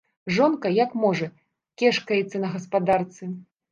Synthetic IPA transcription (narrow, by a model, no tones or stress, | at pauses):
ʐɔnkɐjakmɔʐɐ | kʲɛʂkɐjɛt̪sːɐnɐɣɐspad̪art̪sɨ